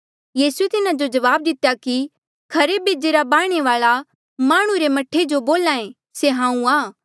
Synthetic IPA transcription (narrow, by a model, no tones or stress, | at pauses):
jiːsuet̪ɪnad͡ʒod͡ʒɐʋaːb̚d̪ɪt̪jaki | kʰɐɾebeːd͡ʒeɾabaːɽ̃eʋaːɭa | maːɽ̃ũɾemɐʈʰed͡ʒoboːlaːẽ | seɦãːũaː